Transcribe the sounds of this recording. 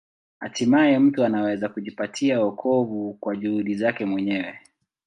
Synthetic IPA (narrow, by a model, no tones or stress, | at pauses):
ha̰timajɛm̩tuanawɛzakuʄipatʰiaɔkʰɔvukwaʄuhuɗizakɛmwɛɲɛwɛ